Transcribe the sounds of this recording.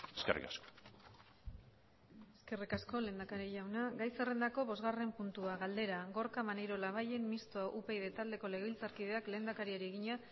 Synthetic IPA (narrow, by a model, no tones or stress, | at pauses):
eskerḭkasko̥ | e̞ske̞rikasko̞le̞nd̪akaɾiʝawnaɡajse̞re̞nd̪ako̞βo̞zɣare̞mpunt̪uaɣald̪e̞ɾaɣo̞ɾkamanejɾo̞laβ̞aje̞nmist̪oaʔupe̞iðe̞t̪ald̪e̞ko̞leɣβilt͡saɾkið̞e̞akle̞nd̪akaɾiaɾie̞ɣiɲa